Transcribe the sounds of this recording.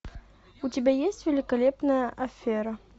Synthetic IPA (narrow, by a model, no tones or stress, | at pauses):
utʲɪbʲæjesʲtʲvʲɪlʲɪkɐlʲepnəjəʔɐfʲːeɾə